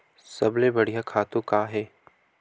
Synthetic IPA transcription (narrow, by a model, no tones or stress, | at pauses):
sɐ̰blebɐɽijakʰaːt̪õkaːɦɛː